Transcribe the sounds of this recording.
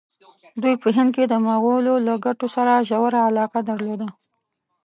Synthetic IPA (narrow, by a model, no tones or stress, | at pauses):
d̪ujpəɦɪnd̪̚ked̪əmaɣololaɡaʈosaɾaʒawaɾaalɑqad̪əɾlod̪a